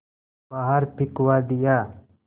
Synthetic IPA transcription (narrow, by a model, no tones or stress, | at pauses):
baɦaɾpʰɪkwaːd̪ɪjaː